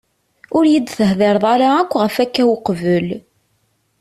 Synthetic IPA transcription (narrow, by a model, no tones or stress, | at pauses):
ʊɾjid̪θəɦðɪɾˤðˤaɾaækʷːʁəfækːæwqvəl